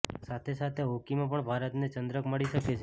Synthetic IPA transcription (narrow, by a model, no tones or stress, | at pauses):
sat̪ʰesat̪ʰeɦokimãpəɳbʱaɾət̪net͡ʃənd̪ɾəkməɭiʃəket͡ʃʰe